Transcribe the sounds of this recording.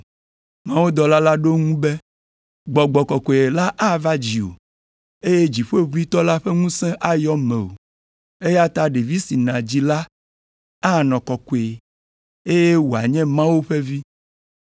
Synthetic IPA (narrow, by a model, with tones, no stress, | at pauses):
mã˦wo˦d̪ɔ˨la˦la˦ɖo˦ŋũ˦be˦ | ɡ͡bɔ˨ɡ͡bɔ˨kɔ˨ko˨e˨la˦ʔa˦va˦d͡ʑi˨o̰˨ | e˦je˦d͡ʑi˨ɸe˦βu˦i˦t̪ɔ˦la˦ɸɛ˦ŋũ˦sɛ̃˦ʔa˦jɔ˦mɛ̃˨o̰˨ | e˦ja˦t̪a˦ɖe˨vi˦si˨nã˨d͡ʑi˦la˦ | a˦˨nɔ̃˨kɔ˨ko˨e˨ | e˦je˦wo˨a˨ɲɛ̃˦mã˦wo˦ɸe˦vi˦